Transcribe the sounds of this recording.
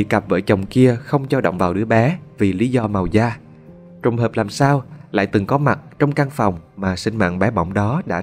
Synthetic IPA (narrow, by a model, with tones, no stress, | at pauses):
ḭ˧˨ka˨˩p̚və̰ː˧˩jt͡ɕə˨˩wŋ͡mki˧əxə˧wŋ͡mt͡ɕɔ˧ɗo̰˧˨wŋ͡mvaː˨˩wɗɨ˨˦əɓɛ˨˦vi˨˩li˨˦zɔ˧ma˨˩wzaː˧ | t͡ɕə˨˩wŋ͡mɦəː˨˩p̚laː˨˩msaː˧wla̰ː˧˨jt̪ɨ˨˩ŋkɔ˨˦ma˨˩t̚t͡ɕɔ˧wŋ͡mka˧ŋfa˨˩wŋ͡mmaː˨˩sï˧ŋ̟ma̰ː˧˨nɓɛ˨˦ɓɔ̰˧˩wŋ͡mɗɔ˨˦ɗa̰ː˧˥